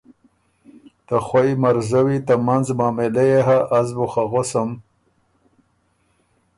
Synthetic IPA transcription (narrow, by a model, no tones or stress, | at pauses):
t̪axwaimaɾzawit̪amanzmɑːmelejeɦaʔːzbuxaɣosam